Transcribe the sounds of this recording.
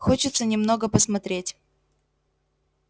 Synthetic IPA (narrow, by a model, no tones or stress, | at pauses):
xot͡ɕɪt̪sənʲɪmno̞ɡəpəsmɐt̪ɾʲetʲ